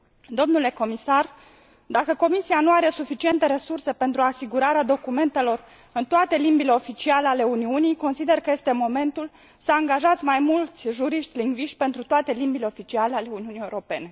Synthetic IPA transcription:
d̪o̞mnule̞ko̞misar | d̪akəko̞misianuaɾe̞sufit͡ʃie̞nt̪e̞ɾe̞surse̞pe̞nt̪ɾuasiɡuɾaɾead̪o̞kume̞nt̪e̞lo̞r | ɨnt̪oat̪e̞limbile̞o̞fit͡ʃialeale̞uniunijko̞nsid̪e̞rkəje̞st̪e̞mo̞me̞nt̪ul | səaŋɡaʒat̪sʲmajmult̪sʲʒuɾiʃt̪ʲliŋɡviʃt̪̚ʲpe̞nt̪ɾut̪oat̪e̞limbile̞o̞fit͡ʃialeale̞uniunijeuɾo̞pe̞ne̞

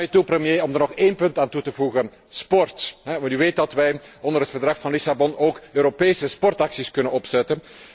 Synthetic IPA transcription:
jətuprəmjeːɔmdərnɔxeːnpɵntaːntutəvuɣən | spɔrtɦɛʋɑntyʋeːt̚dɑtʋɛjɔndərɦətfərdrɑxfɑnlisabɔnoːkøːɾopeːsəspɔrtɑksiskɵnənɔpsɛtən

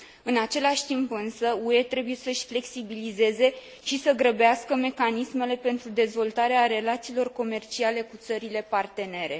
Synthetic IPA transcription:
ɨnat͡ʃe̞laʃʲt̪impɨnsəue̞t̪ɾe̞buje̞səʃʲfle̞ksibilize̞ze̞ | ʃisəɡɾəbeaskəme̞kanisme̞le̞pe̞nt̪ɾud̪e̞zvo̞lt̪aɾeaɾe̞lat̪siːlo̞rko̞me̞rt͡ʃiale̞kut̪səɾile̞part̪e̞ne̞ɾe̞

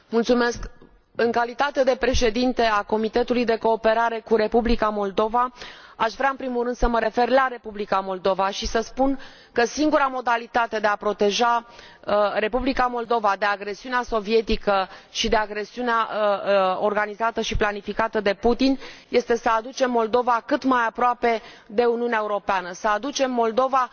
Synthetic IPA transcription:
mult̪sume̞sk | ɨŋkalit̪at̪e̞d̪e̞pɾe̞ʃe̞d̪int̪e̞ako̞mit̪e̞t̪ulujd̪e̞ko̞ːpe̞ɾaɾe̞kuɾe̞publikamo̞ld̪o̞vaaʃvɾaɨnpɾimulrɨnd̪̥səməɾe̞fe̞rlaɾe̞publikamo̞ld̪o̞vaʃisəspun | kəsiŋɡuɾamo̞d̪alit̪at̪e̞d̪e̞apɾo̞t̪e̞ʒa | əɾe̞publikamo̞ld̪o̞vad̪e̞aɡɾe̞siuneaso̞vije̞t̪ikəʃid̪e̞aɡɾe̞siuneaəorɡanizat̪əʃiplanifikat̪əd̪e̞put̪inje̞st̪e̞səad̪ut͡ʃe̞mːo̞ld̪o̞vakɨt̪majapɾoape̞d̪e̞uniuneaeuɾo̞peanəsəad̪ut͡ʃe̞mːo̞ld̪o̞va

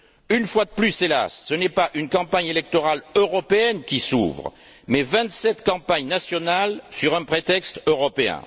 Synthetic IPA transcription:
ynfwad̪əplysela̰sːənɛpaʔynkɑ̃paɲelɛk̚t̪ɔʁaløʁɔpeɛnkʲisṵvʁ | mɛvɛ̃t̪sɛt̪kɑ̃paɲnasjɔnalsyʁɛ̃pχet̪ɛkst̪øʁɔpeɛ̰̃

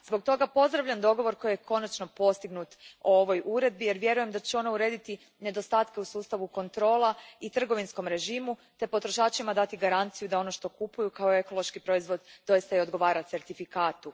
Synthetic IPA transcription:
zbo̞k̚t̪o̞ɡapo̞zd̪ɾaʋʎamd̪o̞ɡo̞ʋo̞ɾko̞jjekʰo̞nat͡ʃno̞po̞st̪iɡnut̪uo̞ʋo̞jʔuɾe̞d̪̚bije̞ɾʋje̞ɾuje̞md̪at͡ɕeo̞nauɾe̞ːd̪it̪i | ne̞d̪o̞st̪aːt̪ke̞usuːst̪aʋuko̞nt̪ɾo̞ːlˠait̪r̩ɡo̞ʋinsko̞mɾe̞ʒimut̪e̞po̞t̪ɾo̞ʃaːt͡ʃimad̪at̪iɡaɾant̪sijud̪ao̞no̞ʃt̪o̞kupujukaoe̞ko̞lˠo̞ʃkipɾo̞izʋo̞d̪ːo̞jist̪aio̞d̪ɡo̞ʋaːɾat̪se̞ɾt̪ifikaːt̪u

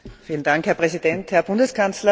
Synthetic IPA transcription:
fiːlən̩d̥aŋkhɛɐpʁ̥ɛzid̥ɛnthɛɐb̥ʊndəskʰanslɐ

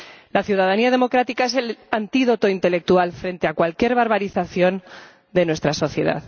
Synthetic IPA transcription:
laθjuðaðaniað̞e̞mo̞kɾat̪ikae̞se̞lant̪iðo̞t̪o̞int̪e̞le̞k̚t̪ualfɾe̞nt̪e̞akwalkje̞ɾβaɾβaɾiθaθjo̞n | d̪e̞nwe̞st̪ɾaso̞θje̞ða̰ð

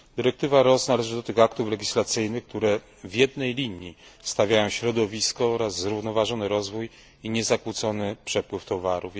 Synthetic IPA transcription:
d̪ɘɾɛk̚t̪ɘvaɾɔsnalɛʐɘd̪ɔt̪ɘɣakt̪uflɛɡʲislat̪sɘjnɘxk̚t̪uɾɛ | vʲjɛd̪nɛjlʲiɲist̪avʲjajɔ̃w̃ɕɾɔd̪ɔvʲiskɔɔɾazːzɾuvnɔvaʐɔnɘɾɔzvuj | iɲɛzakwut̪sɔnɘpʂɛpwɘft̪ɔvaɾuf

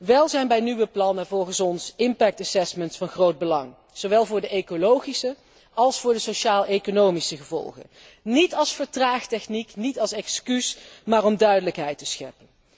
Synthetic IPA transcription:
ʋɛlˠzɛjnbɛjnyʋəplɑnəvɔlˠχənsɔnsɪmpɛk̚tasɛsməntfɑnχrowd̚bəlɑ̰ŋ | z̥owʋɛlˠvʊːɹdəʔejkolowχisə | ɑlˠsfʊːɹdəsowʃaːlˠekonowmisəχəvɔ̰lˠχə̰n | nitɑlˠsfəɹtraːχtɛχniknitɑlˠsɛkskysmaːrɔmdœɥdələkɦɛjtəsχɛ̰pən

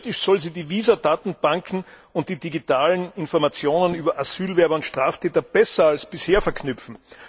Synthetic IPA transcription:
tɪʃsɔlziːdiːviːzɐdaːtn̩b̥aŋkʰŋ̩ | ʊnt̚d̥iːd̥iɡitʰaːlənɪnfɔɐmat͡sjoːnənyːbɐʔaz̥yːlvɛɐbɐʊntʃtʁ̥aːftʰɛːtɐb̥ɛsɐalsb̥ɪsheːɐfɛɐkʰnʏpp͡fn̩

